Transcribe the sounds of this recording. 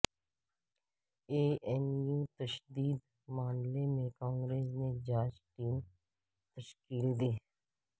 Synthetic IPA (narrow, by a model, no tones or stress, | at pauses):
eːɛmjuːt̪əʃd̪iːd̪ | maːnlemẽkãːŋɡɾeːsned͡ʒaːd͡ʒʈiːm | t̪əʃkiːld̪iː